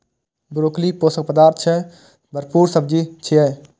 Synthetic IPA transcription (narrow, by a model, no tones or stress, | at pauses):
bɾoːklipoːsək̚pəd̪aːɾt̪ʰt͡ʃʰɛ | bʱəɾpuːɾsəb̚d͡ʒit͡ʃʰiɛ